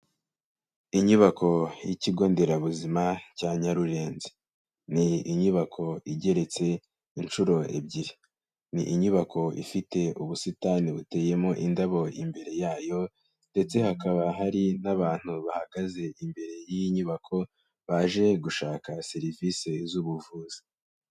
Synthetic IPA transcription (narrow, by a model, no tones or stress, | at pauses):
iɲuβakʰo̞jiciɡo̞ːnde̞ɾaβuzimacaːɲaɾuɾe̞ːnze̥ | niiɲuβakʰo̞iɟe̞ɾe̞t͡se̞ | int͡ʃuɾo̞ḛbɟiɾe | niʔiɲuβakʰo̞ḭfite̞uβusitaːniβute̞ːje̞mo̞ʔindaβo̞imbe̞ɾe̞jaːjo̞ | nde̞t͡se̞hakaβaɦaɾinaβaːn̥huβahaɡ̥aze̞imbe̞ɾe̞jiiɲuβakʰo̞ | βaːʒe̞ɡuʃaːkase̞ɾiviːse̞zuβuvuːzi̥